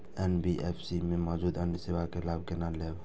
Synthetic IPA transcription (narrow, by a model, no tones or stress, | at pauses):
ɛnbiʔɛpʰsimemɔd͡ʒud̪anisewakelabkenaleb